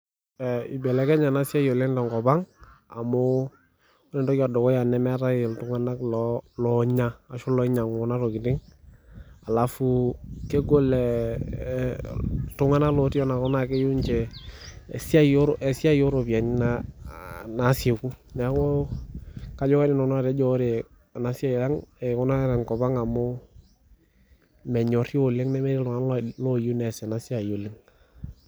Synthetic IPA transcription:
ɛ˨i˨bɛ˨lɛ˨˦kɛ˦ɲa˨na˦sja˦jo˨lɛ˦nda˨ŋɡɔ˨ba˦ŋa˨mo˦ | ɔ˦nɛ˨dɔ˦ka˨dɔ˨kɔ˦ja˨nɛ˦mɛ˦ta˦jɪ˨ltu˨ŋa˦na˦klɔlɔ˨ɲaː˦˨ʃu˦lɔ˦ɲa˨ŋɔ˨na˦ɾo˨kɪ˨tɪ˦ŋ | a˨la˨fu˦ke˦ɡo˦lɛ˨ | tʊ˦ŋa˦na˦klɔ˨ti˦jɔ˦na˨kɔ˦na˨ke˦ju˦ɲt͡ʃɛ˨ | si˦a˦jo˦ɾo˨ʔɛ˨si˦a˦jo˦ɾo˨pi˨a˨ɲ˦na˦ | na˨˦sje˨ku˦nɛ˨˦kɔ˦ | ka˦d͡ʒɔ˦ka˦ni˦nɔ˨nɔ˦a˨te˦d͡ʒɔ˦ɾe˨ | a˨na˨si˦a˦jja˦ŋe˨kɔ˦na˦ɾɛ˨ŋkɔ˨ba˦ŋa˨mo˦ | mɛ˨ɲɔ˨ro˨le˦ŋnɛ˦me˦ɾi˦lʊ˨ŋa˦nllo˦ju˦nɛ˨sɛ˨na˨si˦a˨jo˨le˦ŋ

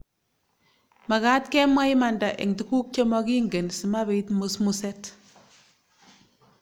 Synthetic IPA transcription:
ma˨ka˦tkɛ˦mwa˦i˦ma˨nda˨ʔḛ˨ŋti˦ku˦k̚t͡ʃe˦mɔ˦ki˦ŋɡe˨nsi˨ma˦be˨itmu˨smusɛ˦t

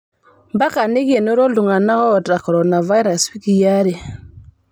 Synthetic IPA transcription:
mba˦ka˨ne˦ke˨no˦ɾo˦lu˨ŋa˨na˦ɣɔ˦˨ta˨kɔ˨ɾɔ˨na˨va˦i˦ɾa˨swi˦ki˨ja˦ɾe˨

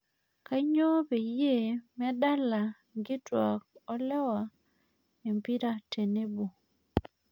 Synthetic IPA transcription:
ka˦ɲo˦be˨je˦˨mɛ˦da˦la˨ | ɡɪ˦twa˨k̚ɔ˦lɛ˦wa˨ | e˨mpi˦ɾa˦te˨ne˦bo˨

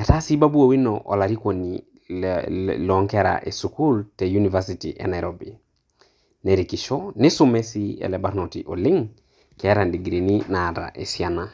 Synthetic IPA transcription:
ɛ˨ta˦si˦ba˦bu˦o˨wi˦nɔʔɔ˨la˨ɾi˦ko˨ni˨ | lɔ˨˦ŋkɛ˦ɾa̰ʔɛ˨suku˦ltɛju˦ni˨va˦siti˨ʔɛ̰˨na˨jɾɔbi˨ | nɛ˨ɾe˨ki˨ʃɔ˦nɪ˦sʊ˦mɛ˦si˦ɛ̰˨lɛ˨baɾnɔ˨ti˨ʔɔ˨lɪ˦ŋ | kɛ˨˦ɾa˨ndi˨ɡɾe˨ni˦na˨ta̰˨ʔɛ˨siana˨

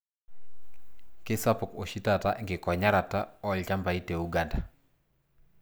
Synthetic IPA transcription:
kɪ˦sa˦pɔ˨ko˨ʃi˦ta˦˨ta˦ʔŋɡɪ˨kɔ˨ɲa˦ɾa˨ta˦ɔ˦lt͡ʃa˦mba˨i˦te˨u˦ɡa˨nda˨

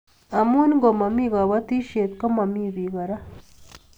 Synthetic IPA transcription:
a˨mu˦ni˦ŋɡo˨ma˨mi˦ɡa˨βa˦t̪i˦ʃe˨t̪ko˦ma˨mi˦βi˨ɣa˨ɾa˦

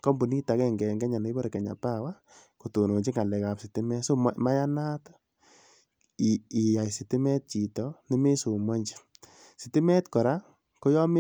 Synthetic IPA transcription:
kɔ˦mbu˨ni˦ta˨˦kɛ˧ŋɡɛ˨ŋɡɛ˦ɲa˨ne˦bɔ˦ɾe˨kɛ˨ɲa̰˨pa˦˨wa˦ | ko˨to˨no˨ɲt͡ʃi˦ŋa˨lɛ˨ka˨psi˨tɪ˦mɛ˦so˦m˦ma˦ja˦na˦t | i˨i˨ja˨jsi˨tɪ˦mɛ˦t̚t͡ʃi˨tɔ˨ni˦me˦su˨ma˦ɲd͡ʒi̥˨ | si˨tɪ˦mɛ˦tkɔ˨ɾa˦ | ko˦jɔ˦me˦

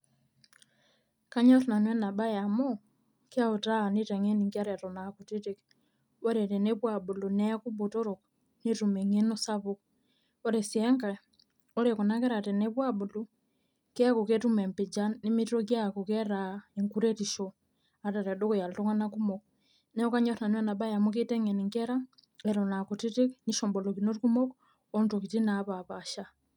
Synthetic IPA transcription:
ka˦ɲa˦to˨na˨nwɛ˦na˨ba˦ja˨mɔ˦ | ka˦o˨ta˦˨ne˦ta˨ŋe˦ni˨ŋki˦a˦ɾɛ˨tɔ˨na˨ku˨te˦te˨k | o˦ɾɛ˨tɛ˨ne˦βwa˨bo˨lo˨nɛ˦ku˦bo˨to˦ɾo˨k | ne˦tu˨me˨ŋe˦no˦sa˦βok | o˦ɾe˨sjɛ˦ŋka˨ | o˦ɾe˨ko˨na˦kɛ˦ɾa˨tɛ˨ne˦βwa˦bo˨lo˦ | kɛku˨ketumɛ˨mpi˨d͡ʒanimi˦tiɾɔɡjakukɛɾaeŋku˦ɾɛtiʃɔ | ata˨ɾɛ˨do˦kɔja˨lto˦ŋanaku˦mɔkɔ | nɛ˦ɔ˦ka˦ɲɔ˦ɾa˨n˦wɛ˦na˨ba˦ja˨muketɛ˦ŋe˨ni˨ŋɡɛɾa | ɛɾɔna˨ku˨ti˦ti˦kniʃɔ˨mbɔ˨lɔ˨kino˦ɾiku˦mɔ˦kɔ | ɔnto˨ki˨tinaβaβaʃa˦

